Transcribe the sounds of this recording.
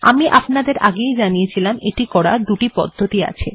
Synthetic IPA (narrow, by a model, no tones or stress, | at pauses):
a̰miʔapnad̪eɾʔaɡejd͡ʑanijet͡ɕʰilameʈikɔɽad̪uʈipɔ̰d̪ʱːot̪ia̰t͡ɕʰḛ